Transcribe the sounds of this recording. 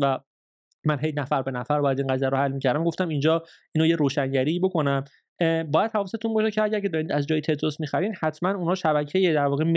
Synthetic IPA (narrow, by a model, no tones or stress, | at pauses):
væ | mænɦejnæfæɾbe̞næfæɾbɒːjæd̪ĩːnɡæzijæɾohælːmiːcʰæɾd̪æmɡo̞ft̪æmind͡ʒɒː | iːnojeɾoːʃæɲɟæɾiːbo̞ko̞næm | bɒːjæd̪̥̚hʰævːset̪ʰunbɒːʃecʰeæɟæɾcʰe̞d̪ɒːɾiːnd̪æzd͡ʒɒːjit̪ʰe̞d̪ɾosmixæɾiːd̪hæt̪ʰmænunhɒːʃæbæcʰejed̪æɾvɒːɣem